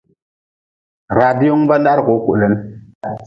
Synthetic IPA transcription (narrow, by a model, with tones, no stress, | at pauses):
ɾa˨di˦o˦ŋba˦n˦da˦ɾko˨˦ku˨ʔlɛ˨n˦